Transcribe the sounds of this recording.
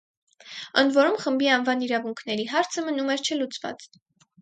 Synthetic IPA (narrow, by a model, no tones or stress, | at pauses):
ənd̪vɔɾumχəmbiɑnvɑniɾɑvuŋkʰn̪ɛɾiɦɑɾt͡sʰəmənumɛɾt͡ʃʰəlut͡svɑ̰t͡s